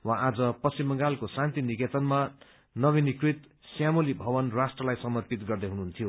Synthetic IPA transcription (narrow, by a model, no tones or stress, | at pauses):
wãʔad͡zʌpʌsimːʌŋɡalkosãnt̪iniket͡sʌnma | nʌβinikrit̪ | sjamolibʱʌbʌnrasʈrʌlajsʌmʌrpit̪ɡʌrd̪ʌɦunuɦunt̪ʰijo